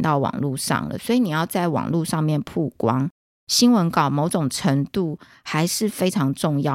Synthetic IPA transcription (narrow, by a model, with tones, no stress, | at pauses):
t̪ɑ˥˩ʊwɑ̰˨˩ŋlu˥˧ʂɑ̰˥˩ŋlə̰˩swɔ˧˥i˨ni˨˩jɑ˥˧ʊt͡sa˥˩ɪwɑ̰˨˩ŋlu˥˧ʂɑ˥˧ŋmjɛ˥˨npʰu˥˩kwɑ˦ŋ | ɕi˥nwə˧˦˥nkɑ˨˩ʊmo˧˥ʊʈ͡ʂʊ˨˩ŋʈ͡ʂʰə˧˥ŋt̪u˥˨ | xa˧˥ɪʂɻ̩˥˨fe˥ɪʈ͡ʂʰɑ˧˥ŋʈ͡ʂʊ˥˧ŋjɑ˥˨